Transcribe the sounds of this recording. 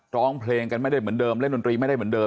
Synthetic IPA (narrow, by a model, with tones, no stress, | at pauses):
ɾɔː˦˥˩ŋpʰleː˧ŋka˧nma˥˩jda˥˩m˩˦əndəː˧mlndo˧ntɾiː˧ma˥˩jda˥˩m˩˦əndəː˧